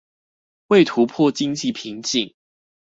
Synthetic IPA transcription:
we˥˨ɪt̪ʰu˨˦pʰwɔ˥˨t͡ɕi˦ŋt͡ɕi˥˨pʰi˨˦ŋt͡ɕi˨˩ŋ

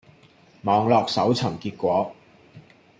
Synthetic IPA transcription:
mɔː˨˧ŋlɔː˨k̚sɐ˨˥wt͡sʰɐ˨˩mkiː˧t̚kʷɔː˨˥

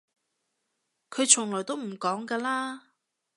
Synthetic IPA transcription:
kʰɵ˨˧ɥt͡ʃʰʊ˨˩ŋlɔː˨˩jt̪o˥wm̩˨˩kɔː˨˥ŋkaː˧laː˥

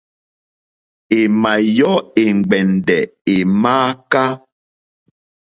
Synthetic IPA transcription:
e˨ma˨jɔ˦e˨ŋ̩˨ɡ͡bɛ˨ndɛ˨e˨maː˦ka˦

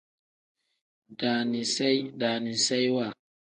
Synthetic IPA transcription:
d̥aː˨ni˨sa˦jɗaː˨ni˨sa˦jwa˨

